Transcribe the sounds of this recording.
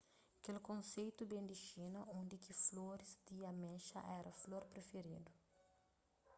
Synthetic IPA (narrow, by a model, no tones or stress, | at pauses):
kelkõnsejt̪ubẽnd̪iʃinɐʔõnd̪ikifloɾisd̪iɐmɛʃɐ̰ʔɛɾɐfloɾpɾefeɾid̪u